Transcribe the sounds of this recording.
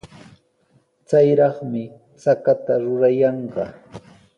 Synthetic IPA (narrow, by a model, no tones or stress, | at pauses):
t͡sajɾɑχmɪ | t͡sakat̪aɾʊɾajɑɴɢɑ̰